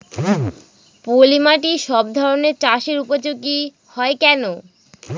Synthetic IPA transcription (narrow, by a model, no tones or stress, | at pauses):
polimaʈiʃɔb̚d̪ʱɔɾoneɾt͡ɕaʃeɾupod͡ʑoɡi | hɔekɛno